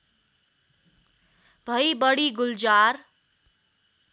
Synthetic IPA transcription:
bʱʌjbʌɽiɡuld͡ʒaɾ

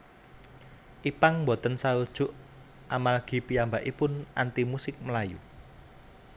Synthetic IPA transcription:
ʔipaŋmbɔt̪ənsaud̥ʒ̥ʊ̤ʔ | ʔamalɡ̥i̤piambaʔipʊnʔant̪imusɪk̚məlajṵ

